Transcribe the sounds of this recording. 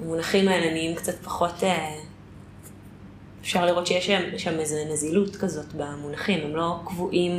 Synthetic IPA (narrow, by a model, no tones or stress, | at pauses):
amunaχimaelaniimkt͡satpḁχo̞te | efʃaʁliʁo̞tʃejeʃamʃamezenazilutkazo̞tbamunaχimemlo̞kvuʔim